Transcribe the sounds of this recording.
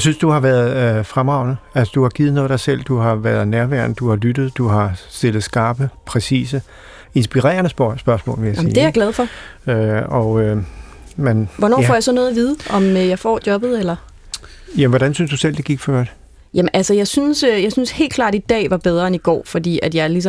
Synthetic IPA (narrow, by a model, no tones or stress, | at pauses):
jɑsynsd̥uhɑ̈ʋæɐðˠfʁamɑ̈ʊ̰nəælsəd̥uhɑ̈ɡ̥iːð̩ˠnɔ̽ðˠd̥ɑ̈sel̰d̥uhɑ̈ʋæɐð̩ˠnæɐʋæɐnəd̥uhɑ̈lyd̥ð̞̩ˠd̥uɦɑ̈sd̥e̝ləð̩ˠsɡ̥ɑ̈ːb̥əpʰʁɛsḭːsə | e̝nsb̥iʁɛ̰ːɐnəsb̥ɶɐsmɔ̰ːlʋe̝jæsmḭd̥e̝æaɐɡ̥lɛð̞ˠfɒ̽øɒø | menʋɒnɒ̰ːfɒ̰ːjɑ̈ɪsɒ̽noðˠɐʋiːð̞ˠəʔɒ̽mjɑ̈ɪfɒ̰ːd̥jɒ̽b̥ð̞̩ˠelɐ | jæmnʋɒɾ̥ænsynsd̥usel̰d̥e̝ɡ̥iɡ̥fɶɐ̰d̥ | jæmnʔælsəjɑ̈ɪsynsøjɑ̈ɪsynshe̝̰ːld̥̚ɡkʰlɑ̰ːd̥id̥ɛ̰ːʋɑ̈b̥eð̞ˠʁɐeniɡ̥ɒ̰ːfɒd̥ḭːæd̥jɑ̈ɪlis̬ɒ